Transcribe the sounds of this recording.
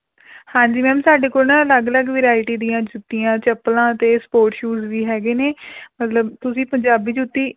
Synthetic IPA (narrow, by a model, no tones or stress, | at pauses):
hãːɲd͡ʒiːmɛ̃ːmsaːɖeːkoːɾnãləɡləɡʋɾaːɪʈiːd̪ijãːd͡ʒʊt̪ːiːãːt͡ʃəpːlãːt̪eːspoːɾʈʃuːzʋiːɦɛːɡeːneːmət̪ləbt̪ʊsĩːpəɲd͡ʒaːbiːd͡ʒʊt̪ːiː